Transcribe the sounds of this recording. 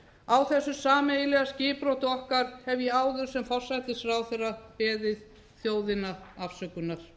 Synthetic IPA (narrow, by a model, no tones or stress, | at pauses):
awθɛsːʏsaːmejlɛɣascɪːpɾowt̪ʏɔhkaɾ̥hɛvjɛaːwðʏɾ̥sɛmfɔr̥sajt̪ɪsfɾaːwθejrːapɛːðɪð | θjoːwðɪnaafsœkʏnːaɾ̥